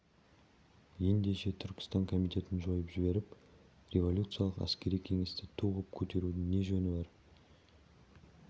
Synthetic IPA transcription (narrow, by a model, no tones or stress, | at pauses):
je̞nd̪e̞ʃe̞t̪ʰʏɾkʲɪ̥st̪ɑŋkʰo̞mijt̪e̞t̪ɪnʒo̞jəpʒɪbe̞ɾɪp | rʲe̞vo̞lʲut̪sɨjalˠəqæ̰skʲe̞ɾijkʲʰe̞ŋe̞st̪ɪt̪ʰuʁəp̚kʲʰɵt̪e̞ɾud̪ɪŋne̞ʒɵnɪbɑɾ